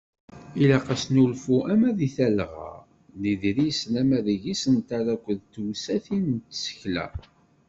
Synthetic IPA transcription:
ilæqɑsnulfuʔæmæðiθælʁə̰ | niðɾijslæmæðiʝisənt̪aɾækʷːəðt̪ːwsæθint̪ːsə̥çlæ̰

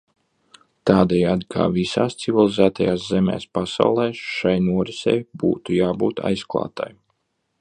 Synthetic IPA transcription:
t̪aːd̪ɛjaːd̪kʰa̰ːvisaːst̪sivʲilˠizæːt̪ajaːszɛmʲɛ̰ːspasa̰wlˠɛːʃajnuɔɾisɛ̰jbṵːt̪ujaːbṵːt̪ʰa̰jsklˠa̰ːt̪a̰j

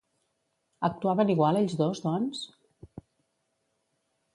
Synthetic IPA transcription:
ək̚t̪uaβəniɣwalˠeʎzðozðɔns

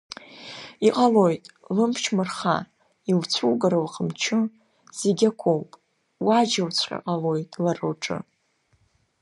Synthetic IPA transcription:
iqʼalo̞jtʼlɨmpʰt͡ʃʰmɨrχa̰ | ilt͡sʷʰulɡaɾawaqʰəmt͡ʃʰɨ | z̥eɡʲakʷʰowpʼ | wad͡ʒawt͡sʷʰqʲʼa̰qʼalo̞jtʼlarɨlʈ͡ʂʰʼɨ̰

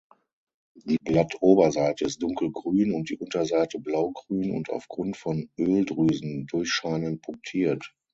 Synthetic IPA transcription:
d̥iːblatʰʔoːbɐzaɪtəɪst̚d̥ʊŋkl̩ɡʁyːnʊnt̚d̥ḭːʔʊntɐzaɪtəblaʊɡʁyːnʊ̰nta̰ʊfɡ̥ʁʊntfɔnʔøːldʁyːzn̩dʊɐçʃaɪnənpʰʊŋk̚tʰiːɐt

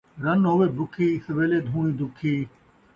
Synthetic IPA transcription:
ɾɐnɦoːʋeːbʊkʰiːsəʋeːleːd̪ʱũːñĩːd̪ʊkʰiː

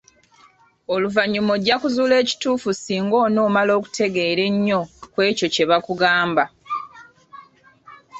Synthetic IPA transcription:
o̞luvaɲːumoɟakuzuːle̞ːci̥tuːfusiːŋɡo̞ːno̞ːmalo̞ːku̥tʰe̞ɡe̞ːɾe̞ɲːo̞kwe̞ːco̞ce̞βakuɡaːmba

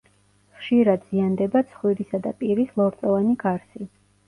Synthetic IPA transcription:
χʃiɾad̪z̥iand̪ɛbat̪sʰχwiɾisad̪apʼiɾislˠɔɾt̪sʼɔvaniɡaɾsi

